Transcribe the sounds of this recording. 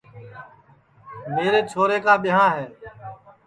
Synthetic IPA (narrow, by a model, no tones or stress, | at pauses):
meːɾeːt͡ʃʰoːɾeːkaːɓɪɦãːɦeː